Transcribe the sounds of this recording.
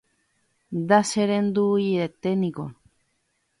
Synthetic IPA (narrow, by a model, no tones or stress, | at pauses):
d̪aseɾend̪ujet̪enĩko